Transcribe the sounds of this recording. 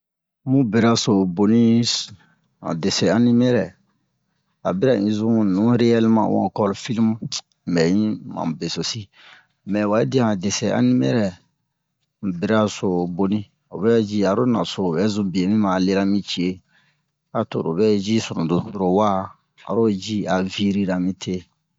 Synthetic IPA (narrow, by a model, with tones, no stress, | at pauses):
mũ˦be˨ɾa˦so˨bo˦nĩ˦s | a̰˨de˨sɛ˨a˦ni˦mɛ˦ɾɛ˨ | a˨bi˦ɾa˨ĩ˦zũ˦nũ˨˦ɾe˦ɛ˦lmã̰˨wɔ̰̃˨kɔ˦lfi˦lm˦˨ | bɛ˨ĩ˦mã̰˨be˨so˨si˦ | mɛ˨wa˨e˦di˦ã˨de˨sɛ˨ʔã̰˦ni˦mɛ˦ɾɛ˨ | bi˦ɾa˦so˨bo˨nĩ˦ | o˨bɛ˦d͡ʒi˦a˨ɾo˦na̰˨so˨o˨bɛ˦zũ˦bi˨e˨mĩ˦mã˨le˦ɾa˦mĩ˦t͡ʃi˦e˦ | a˨to̰˨ɾo̰˨bɛ˦d͡ʒi˦sɔ˨ɾõ˨do˨to˦ɾo˨wa˦ | a̰˨ɾo˦d͡ʒi˦a˨vi˦ɾi˦ɾa˨mĩ˦tʰe˦